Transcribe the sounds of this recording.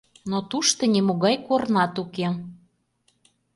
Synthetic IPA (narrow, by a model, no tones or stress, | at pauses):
not̪uʃt̪onʲimoɣɑjkornɑt̪uke